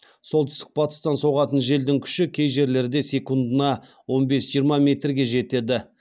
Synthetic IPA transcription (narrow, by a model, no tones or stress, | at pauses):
so̞lˠt̪ʏ̥st̪ɪ̥k̚bɑt̪ə̥st̪ɑnso̞ʁɑt̪ənʒe̞ld̪ɪŋkʲʰʏ̥ʃɪkʲʰe̞jʒe̞ɾle̞ɾd̪e̞se̞kund̪ənɑ | wo̞nbe̞sʒijəɾmɑmʲe̞t̪rɡʲe̞ʒe̞t̪e̞d̪ɪ